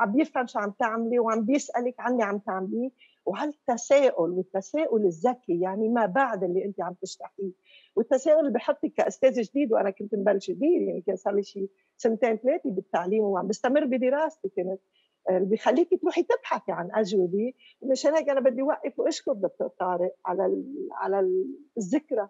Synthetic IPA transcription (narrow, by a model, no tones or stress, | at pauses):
ʕambjɪfhamʃiʕamt̪ɪʕmliwʕambjɪsʔalɪkʕanːiʕamt̪aʕmli | whalat̪ːaseːʔʊlwɪt̪ːaseːʔʊlɪzːakːijaʕnimabaʕd̪ʔɪlːiʔɪnt̪iʕamb̚t̪ɪʃt̪aħfiː | wɪt̪ːaseːʔʊlɪlbijħot̪ˤːikːaʔʊst̪eːzʒd̪iːd̪wʔanakʊnt̪nbalːʃd̪iːd̪jaʕnikeːnsalːiʃiː | sɪnt̪eːnt̪leːt̪ibɪt̪ːaʕliːmwʕambɪst̪amɪrːbid̪iɾɑːst̪ikeːnɪt̪̚ | lbixalːiːkit̪ɾuːħit̪ɪbħaθiʕanʔaʒwad̪i | ʔɪnːɪʃeːnheːkʔanabɪd̪ːiwaʔːɪfwʔɪʃkʊfd̪ɑk̚t̪ʊɾt̪ˤːɑːɾɪʔʕalaʕa̰lazːɪkɾa